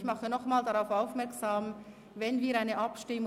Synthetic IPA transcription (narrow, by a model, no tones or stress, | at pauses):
çmɑχənɔχmaːldaʁaʊfaʊfmɛɐksaːm | vɛnviːɐɾaɪnəʔapʃtɪm